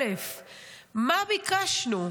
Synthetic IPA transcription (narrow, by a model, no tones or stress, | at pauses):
ef | maβɪkaʃnʊ